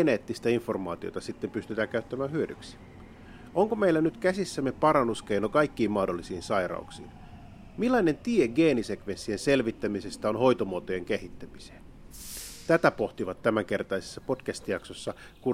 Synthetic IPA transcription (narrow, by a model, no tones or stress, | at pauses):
eneːt̪ːist̪æiɱformɑ̰ːt̪io̰t̪ɑsit̪ːempyst̪yt̪æːŋkæyt̪ːæmæːhyødy̰ksi̥ | ʔoŋkomeilːænyt̪kæsisːæmːepɑɾɑnːuskeinokɑikːiːmmɑhdolːisiːnsɑirɾɑ̰uksḭːn | milːɑine̞nt̪ieɡeːnisekʋensːienselʋit̪ːæmise̞st̪æonho̞jt̪omuot̪ojeŋkehit̪ːæmise̥ːn | t̪æt̪æpoht̪iʋɑt̪ːæmæŋke̞rt̪ɑise̥sːɑpotkæst̪ijɑksosːɑ | ku